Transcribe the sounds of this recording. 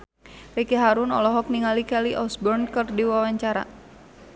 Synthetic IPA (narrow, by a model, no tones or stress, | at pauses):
rikeɦaɾunɔlɔɦɔk̚niŋalikɛliʔɔsbɔrnkərdiwawaɲt͡ʃaɾa̰